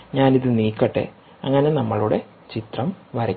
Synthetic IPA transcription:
ɲaːniðɨniːkːɐʈːḛ | ɐŋːɐne̞nɐmːɐɭuɽe̞ | t͡ɕit̪rɐmʋɐɾɐkː

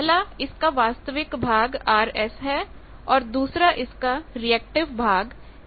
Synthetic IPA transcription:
laɪskaʋaːst̪əʋɪkbʱaːɡaːɾɛsɦɛ | ɔːɾd̪uːsɾaʔɪskaɾiɛːk̚ʈɪʋbʱaːɡ

